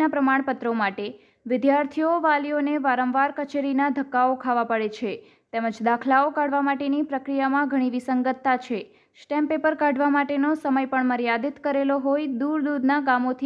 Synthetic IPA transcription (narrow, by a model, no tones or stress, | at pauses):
apɾəmaɳpət̪ɾomaʈe | ʋɪd̪jaɾt̪ʰijoʋalioneʋaɾə̃mʋaɾkət͡ʃeɾinad̪ʱəkːaokʰaʋapəɽet͡ʃʰe | t̪ɛməd͡ʒd̪akʰlaokaɽʋamaʈenipɾəkɾijamãɡʱəɽ̃iʋisəŋɡət̪ːat͡ʃʰe | sʈɛ̃mpepəɾkaɖʱʋamaʈenosəməjpəɳməɾjad̪it̪kəɾeloɦojd̪uɾd̪ud̪naɡamot̪ʰi